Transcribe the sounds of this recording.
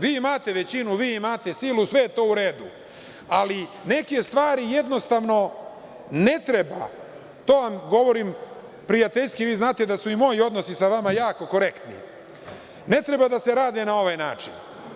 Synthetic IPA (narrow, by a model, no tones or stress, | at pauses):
ʋiːimaːt̪e̞ʋe̞t͡ɕinuʋiːimaːt̪e̞silusʋe̞jet̪o̞ːuɾe̞ːd̪u | ali | ne̞ke̞st̪ʋaːɾije̞d̪no̞st̪aʋno̞ | ne̞t̪ɾe̞ba̰ | t̪o̞ːʋamɡo̞ʋo̞ɾiːm | pɾijat̪e̞ʎskiʋiːznaːt̪ed̪asuimo̞jio̞d̪no̞sisaʋamajaːko̞ko̞ɾe̞kt̪nḭ | ne̞t̪ɾe̞bad̪ase̞ɾaːd̪e̞nao̞ʋajna̰ːt͡ʃin